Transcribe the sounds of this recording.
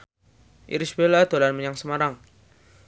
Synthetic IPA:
ʔḭɾisbelad̪̥olanməɲaŋsəmaɾaŋ

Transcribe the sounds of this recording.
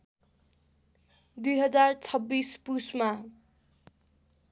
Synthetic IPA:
d̪ujɦʌd͡zart͡sʰʌbːispusma

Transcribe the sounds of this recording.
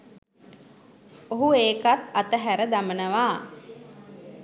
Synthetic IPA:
oɦueːkat̪at̪əɦæɾəd̪amənəʋaː

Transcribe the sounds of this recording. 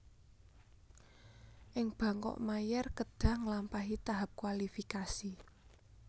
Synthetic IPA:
ʔɪŋb̥ä̤ŋkɔ̰ʔmajɛrkəd̥ä̤ŋlampaɦit̪aɦap̚kwalifikasi

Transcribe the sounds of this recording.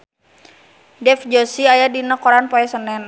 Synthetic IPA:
dɛfd͡ʒɔsiajadinakɔɾanpɔɛsənɛn

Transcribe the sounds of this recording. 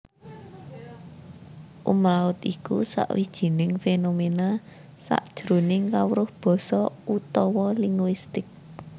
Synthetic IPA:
ʔṵmlaʊt̪ikṵsa̰ʔwid̥ʒ̥i̤nɪŋfenomena | sa̰ʔd̥ʒ̥ɾṳnɪŋkawɾʊhb̥ɔ̤sɔut̪ɔwɔliŋɡwist̪ɪk̚

